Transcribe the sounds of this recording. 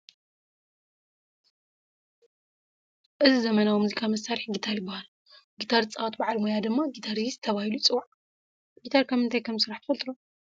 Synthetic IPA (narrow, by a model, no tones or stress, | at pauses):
ʔɨzizɐmɐnawimuzikʰamɐsːaɾiħɡit̪ʰaɾjɪbːahal | ɡit̪ʰaɾt͡sʼawt̪baʕalmojad̪ɨmːaɡit̪ʰaɾizt̪ʰɐβahilut͡sʼɨwaʕ | ɡit̪ʰaɾkʰɐmɨnt̪ʰajkʰɐmsɨɾaħt̪ʰɨfɐlt̪ʼɨɾo